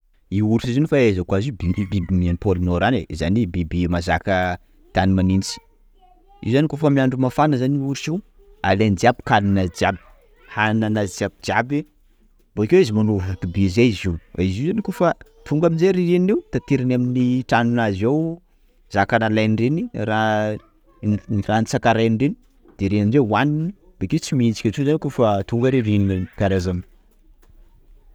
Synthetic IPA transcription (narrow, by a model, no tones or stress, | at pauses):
iuɾiʃizinifaezakwazibibibimianipolinoɾanezanibibimazakə | t̪animanint͡si̥ | ḭuzanikofəmiaɳɖ͡ʐumafanəzaniuɾuʃiw | a̰lend͡ʒiabi̥kaninad͡ʒiabi̥ | hananazd͡ziabid͡ʒiabi | boikewizimanuvat̪ibizeiziizizanikofat̪uŋɡaminzeɾiɾeniwt̪at̪eɾinaminiʈ͡ʂanunazew | zakanalajnrenira | ranit͡sakaɾajnreni̥ | d̪̥eɾeanzewanini | b̥eket͡simiit͡si̥kʲat͡ʃuzankofat̪uŋɡəɾeɾininkaɾezam